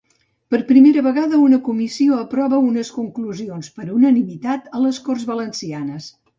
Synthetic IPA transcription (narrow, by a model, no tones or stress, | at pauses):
pəɾpɾimeɾəβəɣaðəunəkumisioəpɾɔβəunəskuŋkluzionspəɾunənimit̪at̪ələskorzβələnsianəs